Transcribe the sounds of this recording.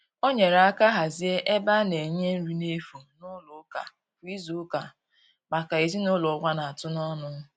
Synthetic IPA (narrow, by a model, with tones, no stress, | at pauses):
o˦ɲe˨ɾa˨a˦ka˦ɦa˨zi˦e˦ʔe˦ba˦ne˨ɲe˦n̩˦ɾi˦ne˦fu˨nʊ˦lʊ˨˦ka̰˨ | fu˨i˦zu˦ka˨ | ma˨ka˨e˨zi˦nʊ˦lʊ˨˦kʷa˦na˨a˨tʊ˦nɔ˦nʊ˦